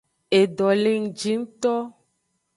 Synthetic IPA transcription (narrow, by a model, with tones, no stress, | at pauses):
e˨ɖɔ˨le˦ŋ̩˨d͡ʒi˦ŋ˦t̪ɔ˦